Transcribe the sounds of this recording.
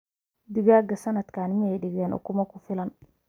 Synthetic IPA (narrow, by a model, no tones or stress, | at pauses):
d̪ɪɣaːɡɐsɐnɐd̪kʰaːnmɪjɛjɖɪɣɛːnʔɔ̰kʰʊmɐkʰʊfɪlɐn